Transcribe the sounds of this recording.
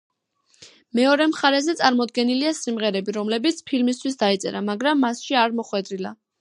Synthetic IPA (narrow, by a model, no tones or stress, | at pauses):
mɛɔɾɛmχaɾɛzɛt̪sʼaɾmɔd̪̚ɡɛniliasimʁɛɾɛbiɾɔmlɛbit̪sʰpʰilmis̬t̪ʰwisd̪ait̪sʼɛ̰ɾamaɡɾamːasʃiaɾmɔχwɛd̪ɾila